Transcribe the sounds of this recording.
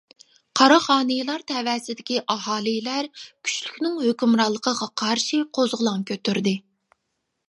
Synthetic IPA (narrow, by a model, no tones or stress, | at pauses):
qʰɑɾɑχɑːnɨjlˠɑɾt̪ʰɛvwɛːsɪd̪ɪkʲiʔɑɦɑːlˠijlæɾkʲʰy̥t͡ʃlykʲnɪŋɦøkʲymɾɑlˠːəqʰəʁɑqʰɑɾʃiqʰozʁəlˠɑŋkʲʰøt̪ʰyɾd̪ɪ